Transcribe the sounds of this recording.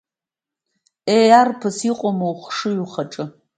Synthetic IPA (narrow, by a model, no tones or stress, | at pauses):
ejarpʰɨsiːqʷʼɔmowχʷʂɨɥuχɐʈ͡ʂʼɨ